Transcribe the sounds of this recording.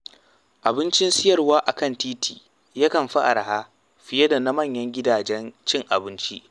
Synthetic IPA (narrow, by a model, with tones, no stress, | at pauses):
ʔa˨bɪ˦nt͡ʃɪ˦nsɪ˦jɐ˨rwaː˦ʔa˨kɐ˦˨ntiː˦tʰiː˨ | ja˦kɐ˨mɸa˦ʔa̰˨ɾa˨haː˦ | ɸɪ˨jɐ˦da˨na˦mɐ˦˨ɲjɐ˦ŋɡʲɪ˦daː˨d͡ʒɛ˦nt͡ʃɪ˦ŋʔa̰˨bɪ˦nt͡ʃi˦ʔ